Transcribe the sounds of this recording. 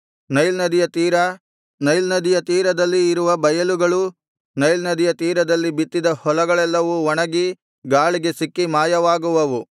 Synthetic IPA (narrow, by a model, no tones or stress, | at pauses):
nɐjlnɐd̪ijɐt̪iːɾɐ | nɐjlnɐd̪ijɐt̪iːɾɐd̪ɐlːiːɾuʋɐbɐjɐluɡɐɭu | nɐjlnɐd̪ijɐt̪iːɾɐd̪ɐlːibit̪ːid̪ɐhɔlɐɡɐɭɛlːɐʋuɔɳɐɡi | ɡaːɭiɡe̞sikːimaːjɐʋaːɡuʋɐʋu